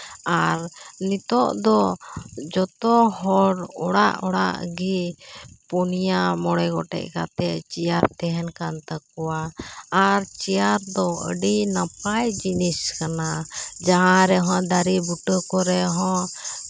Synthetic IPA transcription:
aɾnit̪ɔʔd̪ɔ | d͡ʒɔt̪ɔɦɔɽɔɽa̰ʔɔɽa̰ʔɡi | punijamɔɽɛɡɔʈɛ̰ʔka̰t̪ɛt͡ʃijaɾt̪ɛɦɛnkant̪əkɔwaː | ɾt͡ʃijaɾd̪ɔə̰ɖinapajd͡ʒiniskanad͡ʒaɦãɾɛɦɔ̃d̪aɾibuʈəkɔɾɛɦɔ̃

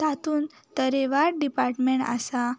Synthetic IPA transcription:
t̪at̪uːn | t̪əɾeʋaɾɖipaɾʈmeɳʈa̰sa

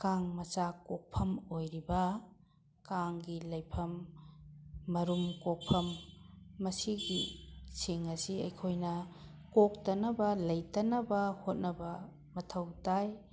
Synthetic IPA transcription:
kaŋmɐsakok̚pʰɐmojɾibɐ | kaŋɡilɐjpʰɐm | ɐɾumkok̚pʰɐmː | ɐsiɡisiŋɐsiɐ̰jkʰojnɐ | kok̚tɐnɐbɐlɐjtɐnɐbɐhot̚nɐbɐ | mɐtʰɐwtaj

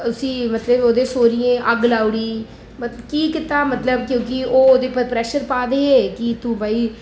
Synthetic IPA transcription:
ʊsĩːmət̪ləboːd̪ẽːsoːɾijẽːʔəɡlaːʊɽiː | mət̪ləbkiːkɪt̪aːmət̪ləbkjõːkioːd̪eːpəɾpɾɛːʃəɾpaːd̪eːeːkɪt̪ũːbaːiː

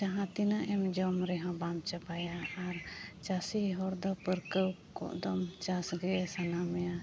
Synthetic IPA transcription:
t͡ʃaɦãt̪inaʔɛmd͡ʒɔmɾɛɦɔ̃bamt͡ʃapajaːɾt͡ʃasiɦɔɾd̪ɔpəɾkəw | kɔ̰ʔd̪ɔmt͡ʃasɡɛsanamɛja

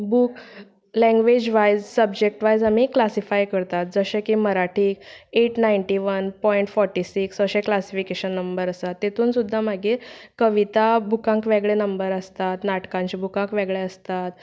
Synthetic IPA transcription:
buːk | lɛ̃ŋɡʋed͡ʑʋajzsəbd͡ʑek̚ʈʋajzamiklasifajkəɾt̪at̪̚d͡zəɕẽkiməɾaʈʰiːkeʈnajɳʈiʋənpɔiɳʈfɔɾʈisiksʋəɕẽklasifikeɕənːəmbəɾəsat̪ːet̪ʰuːnsud̪ʱːamaɡekəʋit̪abʱukãŋkʋeɡɭenəmbəɾəst̪at̪naʈkãɲt͡ɕibʱukãŋkʋeɡɭeəst̪at̪

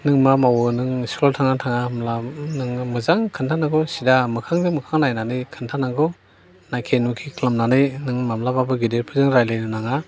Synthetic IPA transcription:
nɯŋmamawɯnɯŋskɔltʰaŋatʰaŋamlanɯŋmɯzaŋkʰɯntʰanaɡɔsidamɯkʰaŋdɯmɯkʰaŋnajnanɯjkʰɯntʰanaŋɡɔ | najkʰenukʰikʰlamnanɯjnɯŋmamlamabɯɡideɾpʰɯzɯŋɾajlɯjnɯnaŋa

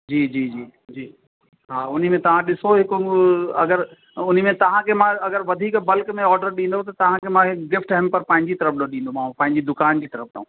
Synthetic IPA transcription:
d͡ʑiːd͡ʑiːd͡ʑiːd͡ʑiː | ɦaːʊn̤imẽt̪ɐʋ̤ãɗɪsoɦɪkɐ̰ɡəɾ | ʊn̤mẽt̪ɐʋ̤ãkʰemãɐɡəɾʋɐd̪ʱiːkbɐlkmẽɔːɾɖəɾɗĩːnd̪ot̪ɐt̪ɐʋ̤ãkʰemãɦɪkɡɪfʈɦɛmpɐɾpãːɦɪ̃ɲd͡ʑit̪ɐɾəfɗõɗĩːn̆d̪omãːũpãɦɪ̃ɲd͡ʑid̪ʊkaːnd͡ʑiːt̪ɐɾəfɗ̰õː

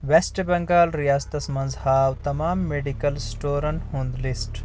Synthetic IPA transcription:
ʋesʈbɐ̃ŋɡaːlɾijaːst̪ɐsɐmɐnd͡zhaːwt̪ɐmaːmːeːɖikɐlsʈoːɾɐnhũːnd̪lisʈ

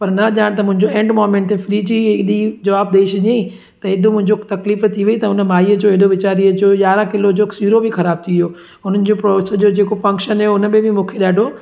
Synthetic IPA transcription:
pɐɾnɐʄaːɽ̃t̪ɐmʊ̃ɦɪ̃ɲd͡ʑoẽːɳɖmoːmẽɳʈẽfɾiːd͡ʑiɪɗid͡ʑɐʋaːb̚d̪eiʃɐɲẽĩ | t̪ɐɪd̪ʱomʊ̃ɦɪ̃ɲd͡ʑot̪ɐkliːft̪ʰiʋɐit̪ɐʊnəmaːiəd͡ʑoːɪɗoʋɪt͡ɕaːɾiəd͡ʑoːjaːɾãkɪlod͡ʑoːsiːɾobʱɪxɐɾaːb̚t̪ʰiɪjoː | ʊnənɪ̆d͡ʑoːpɾoːsd͡ʑoːd͡ʑeːkofɐ̃ŋkʃənoʊnəbẽbɪmũːkʰeɗaːɖʱo

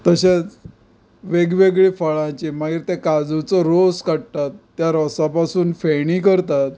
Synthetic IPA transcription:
t̪əɕẽt͡s | ʋeɡʋeɡɭiːfəɭãt͡ɕimaɡiːɾt̪ẽkad͡zut͡sɔɾoskəɽt̪at̪ːjaɾɔsapasuːnfeɽ̃iːkəɾt̪at̪

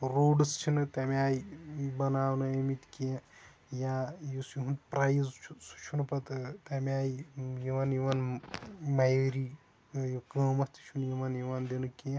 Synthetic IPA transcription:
ɾoːɖɨst͡ʃʰinɨt̪ʲaːmiaːjibɐnaːʋnɨemit̪ʲkĩ | jajisjiɦunt̪pɾajzʰusu̥t͡ʃʰunpɐt̪t̪ʲaːmiaːjijiʋaːnjiʋaːn | mɐjeɾi | jikəːmɐst̪ʰʲi̥t͡ʃʰunjiʋaːnjiʋaːnd̪ʲenɨki

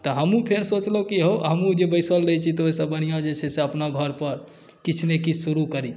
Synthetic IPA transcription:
t̪əɦəmũpʰeɾsot͡ʃləkiɦoɦəmũd͡ʒebəjsəldəɦt͡ʃʰit̪oisəbən̤ijãd͡ʒet͡ʃʰɛseəpnaɡʱəɾpəɾ | kit͡ʃʰnekisuɾukəɾi

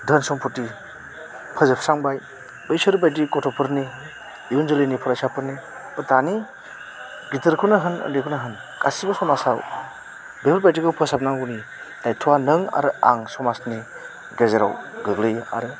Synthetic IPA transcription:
dʱənsɔŋpʰuti | pʰəzɯpʰsaŋbaj | bəjsɯɾbajt̬ikɔtʰɔpʰɯɾni | ibɯnzɯlɯjnipʰɔɾasapʰɯɾni | bətani | ɡitɯɾkʰunaɦɯnə̰ndekʰɔnaɦɯn | kʰasibasɔmasaw | bebɯɾbajtiɡawpʰɯsap̚naŋɡuni | dajtʰuwanɯŋa̰ɾɯa̰ŋsɔmasni | ɡezeɾa̰wɡɯɡlɯja̰ɾɯ

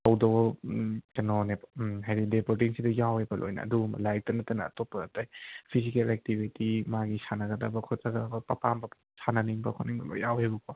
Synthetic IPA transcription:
tɐwdɐw | kɐnɔnepɦajɾidepoɾt̬iŋsidɐjawhebɐlʔo̰jnɐ̰ːdum̰lajk̚tɐnɐtɐnɐːtopːɐːtajpʰisikelɛk̚tibitimaɡisanɐɡɐdɐbɐkʰɔtaɡɐdɐbɐpɐpambɐ | sanɐniŋbɐkʰoɔniŋbɐ̰lo̰jawhebɐkʰa

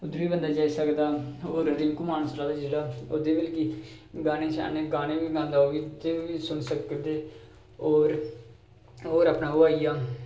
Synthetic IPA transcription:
ʊd̪biːbənd̪aːd͡ʒaːisəkd̪aːoːɾɾɪŋkumaːnəslaːlaːd͡ʒeːɽaːod̪eːʋɪlkiː | ɡaːneːt͡ʃa̰ːnẽːɡaːnẽːʋiːɡãːnd̪aːoːʋiːd̪eːʋiːsʊnsəkd̪eː | oːɾ | oːɾaːpnaːɦoaːijaː

